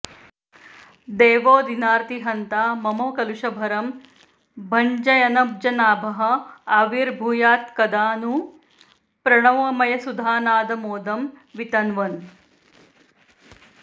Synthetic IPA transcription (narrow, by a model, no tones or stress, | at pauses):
d̪eːʋoːd̪inaːɾt̪iɦɐnt̪aːmɐmoːkɐluʃɐbʱɐɾɐm | bʱɐɲd͡ʒɐjɐnɐb̚d͡ʒɐnaːbʱɐɦɐ̆aːʋiɾbʱuːjaːt̪kɐd̪aːnu | pɾɐɳɐʋɐmɐjɐsud̪ʱaːnaːd̪ɐmoːd̪ɐmʋit̪ɐnʋɐn